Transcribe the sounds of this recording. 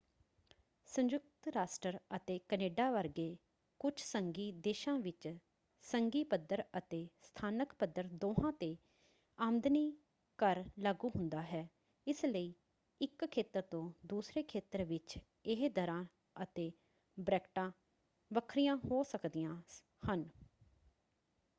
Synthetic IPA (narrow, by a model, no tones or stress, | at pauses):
sə̃ɲd͡ʒʊk̚t̪ɾaːsʈəɾət̪eːkəneːɖaːʋəɾɡeː | kʊt͡ʃʰsəŋɡiːd̪eːʃãːʋɪt͡ʃ | səŋɡiːpəd̪əɾət̪eːst̪ʰaːnəkpəd̪əɾd̪oːɦãːt̪eː | aːmd̪niː | kəɾlaːɡuːɦʊnd̪aːɦɛː | ɪsləiː | ɪkʰːeːt̪əɾt̪õːd̪uːsɾeːkʰeːt̪əɾʋɪt͡ʃ | ɪɦd̪əɾãː | ət̪eː | bɾɛːkʈãː | ʋəkʰɾɪjãːɦoːsəkd̪ɪjãː | hən